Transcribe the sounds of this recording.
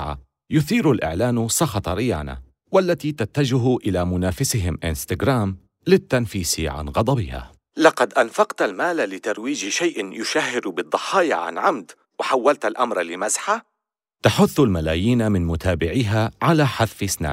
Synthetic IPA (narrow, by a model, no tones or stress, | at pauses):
ʕa̰ | jʊθiːɾalʔɪ̰ʕlaːnsˤɑxɑt̪ˤɾɪja̰ːna̰ | walːat̪iːt̪at̪ːad͡ʒʊɦʊʔɪlamʊnaːfɪsɪɦɪmʔɪ̰nst̪aɡɾaːm | lɪt̪ːanfiːsɪʕa̰nɣɑd̪ˤɑbɪha̰ː | lɑqɑd̪ʔanfɑqt̪almaːlalɪt̪ɑɾˤwiːd͡ʒʃajʔɪnjʊʃahːɪɾbɨd̪ˤːɑħɑːja̰ʕa̰nʕamd̪ | wɪħawːalt̪alʔamɾˤlɪmasħa | t̪aħʊθːalmalaːjiːnamɪnmʊt̪ʰaːbɪʕiːɦaʕalaːħaðfɪsna̰ː